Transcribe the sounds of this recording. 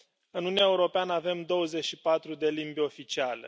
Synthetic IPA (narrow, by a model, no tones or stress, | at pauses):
ɨnuniaeuɾo̞peanəave̞md̪o̞wəze̞ʃipat̪ɾud̪e̞limbʲo̞fit͡ʃiale̞̰